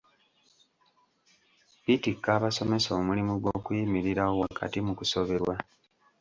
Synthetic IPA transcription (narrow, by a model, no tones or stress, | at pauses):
pitikːaːβaso̞me̞soːmulimuɡwo̞kwimiɾiɾawo̞wakʰa̰timukuso̞βe̞ɾwa